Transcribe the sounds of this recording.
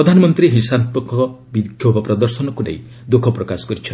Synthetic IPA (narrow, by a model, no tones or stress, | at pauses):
ɾɔd̪ʱanɔmɔnt̪ɾiɦisant̪ɔkɔbikʰjobɔpɾɔd̪ɔɾsɔnɔkunḛĩ | d̪okʰɔpɾɔkasɔ̥kɔɾit͡ʃʰɔ